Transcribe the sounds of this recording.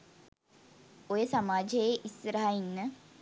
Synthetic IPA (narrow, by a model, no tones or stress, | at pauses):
ojəsamaːd͡ʒejeʔisɾaɦainːə